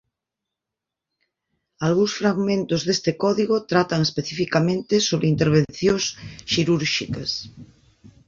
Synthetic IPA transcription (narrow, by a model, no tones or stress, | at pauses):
alɣuŋsfɾaɣmẽnt̪ozðest̪ekɔðiɣot̪ɾat̪aŋespeθifikamẽnt̪esoβ̞ɾeint̪eɾβ̞en̟θjõŋsʃiɾuɾʃikɐs